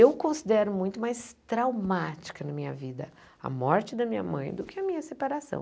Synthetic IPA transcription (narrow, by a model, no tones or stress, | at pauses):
ewkõsid̪ɛɾʊmũj̃t̪ʊmajst̪ɾawmat͡ʃi̥kɐnɐmĩɲɐ̰vid̪ɐ̰ | ɐ̰mɔɾt͡ʃɪd̪ɐmĩɲɐ̰mɐ̰̃j̃d̪ʊkɪɐmĩɲɐsepaɾasɐ̰̃w̃